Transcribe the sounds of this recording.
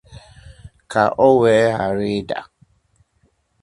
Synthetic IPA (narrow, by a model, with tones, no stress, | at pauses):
kʰa˨ʔɔ˦wɛ˨˦a˨ɾi˦da̰˨